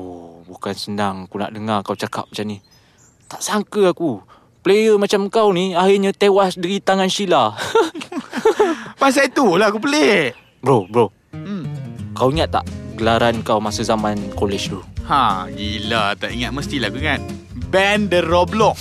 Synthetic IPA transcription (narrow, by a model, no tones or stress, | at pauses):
obukansənaŋakuna̰ʔdəŋakawt͡ʃaka̰p̚mat͡ʃamni | t̪aʔsaŋkəaku | plejəmat͡ʃamkawniahirɲət̪ewasdəɾit̪aŋanʃila | pas̬ait̪ulakupəle | bəɾobəɾo | kawiŋat̪̚ːa̰ʔɡəlaɾankawmasəzamankolɛd͡ʒt̪uhãɡilat̪aʔiŋat̪̚məst̪ilaakuiŋat̪̚ | bɛndəɾɔblɔk̚